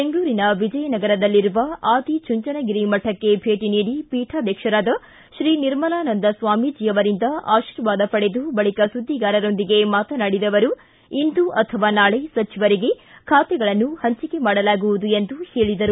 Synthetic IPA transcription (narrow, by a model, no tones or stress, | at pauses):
beŋɡɭuːɾinɐʋid͡ʒɐjɐnɐɡɐɾɐd̪ɐlːiɾuʋɐʔaːd̪it͡ʃuɲt͡ʃɐnɐɡiɾimɐʈʰːɐkːe̞bʱe̞ːʈiniːɽipiːʈʰaːd̪jɐkʂɐɾaːd̪ɐ | ʃɾiːniɾmɐlaːnɐnd̪ɐsʋaːmid͡ʒiːɐʋɐɾind̪ɐʔaːʃiːɾjɐʋaːd̪ɐpɐɽe̞d̪ubɐɭikɐsud̪ʱːiɡaːɾɐɾo̞nd̪iɡe̞maːt̪ɐnaɽid̪ɐʋɐɾu | ind̪uʔɐt̪ʰɐʋaːnaːɭesɐt͡ʃiʋɐɾiɡe̞ | kʰaːt̪ɛɡɐɭɐnːuhɐɲt͡ʃike̞maːɽɐlaːɡuʋud̪uend̪uheːɭid̪ɐɾu